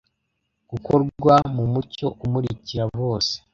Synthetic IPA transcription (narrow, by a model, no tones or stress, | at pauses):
ɡ̥ukoɾɡwamumuco̞ʔumuɾiciɾaβoːse̥